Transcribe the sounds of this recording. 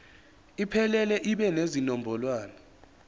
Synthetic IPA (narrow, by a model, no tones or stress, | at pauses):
ipʰɛlɛlɛʔiɓɛnezinɔmbʱɔlwaːnɔ